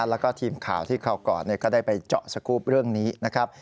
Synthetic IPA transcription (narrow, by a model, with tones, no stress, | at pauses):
lɛː˦˥wkɔː˥˩t̪ʰiː˧mkʰaː˩˦wt̪ʰiː˥˩kʰa˧wkɔː˨˩nːi˥˩əkɔː˥˩daː˥˩jpa˧jt͡ɕɔ˨˩ʔsa˧kʰuː˦˥p̚ɾɯ˥˩əŋniː˦˥na˦˥kʰɾa˦˥p̚